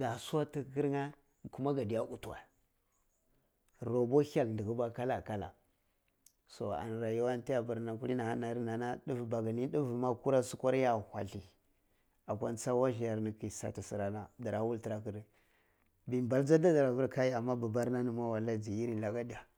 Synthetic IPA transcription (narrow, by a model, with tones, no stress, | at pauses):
ɡ̥a˨sa˦ti˦˨ki˦ɾŋa˦˨ | ku˦ma˦ɡa˨di˨ja˦u˨tu˨wa̰˨ | ɾo˨bo˦ha˨ln˨di˨ɡu˦ba˦ka˦la˨ka˦la̰˨ | so̰˨a̰˨n˨ɾa˨ja˦wa˦n˦ti˦ja˨ba˨ɾna˨ku˦i˦na˨ha˦na˨ɾi˦na˨na˦ɗi˦vba˨ɡa˨ni˦du˦vma˦ku˦ɾa˦su˦ko˦ɾja˦hʷa̰˨ɬi˨ | a˨kʷa˦nt͡sa˦wa˦ʒi˨ja˨ɾni˨ki˨sa̰˨ti˨si˨ɾa˨na˦da˨ɾa˨wu˦lti˨ɾa˨ki˨də˨ | bi˨mba˨ld͡za˦da˦da˨ɾa˨vu˦ɾka˦ji˦a˨mːa˦ba˨ba˦ɾna˦ni˨ma˦wa˨la˦d͡zi˨ji˦ɾi˨n˨a˨ɡa˦di˨ja˨